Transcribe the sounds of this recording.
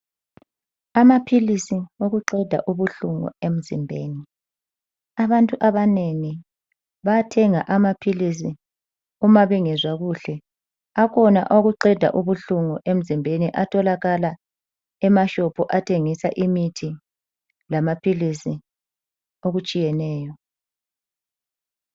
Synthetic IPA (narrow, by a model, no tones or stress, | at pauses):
amapʰilisioɣuǃɛd̥ʱa̰ʔuβuɬuŋṵem̩zḭmbʱeːni | aβantʼuʔaβaneŋi | βajatʰɛŋaʔamapʰilis̬i | umaβiŋɛzwaɣuɬɛ | akʰɔna̰ʔoɣuǃɛd̥ʱa̰ʔuβuɬuŋɔʔem̩zimbʱeniʔatʰɔlaɣala | ɛmaʃɔpʰɔʔatʰeŋisaʔimitʰi | lamapʰilisi | oɣut͡ʃʼijɛnɛːjɔ